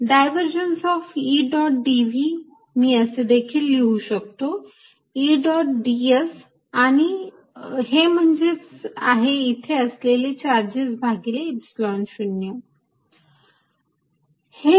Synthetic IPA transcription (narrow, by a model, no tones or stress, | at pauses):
ɖajʋəɾd͡ʑənsɔfiɖɔʈ̚ɖiʋi | miəsed̪ekʰiːlːeuɕək̚t̪o | iɖɔʈ̚ɖies | añi | ɦem̤əɳd͡ʑet͡sa̰ɦeit̪ʰeəslelet͡ɕaɾd͡ʑet͡sbʱaɡileepsilɔnɕunjə | he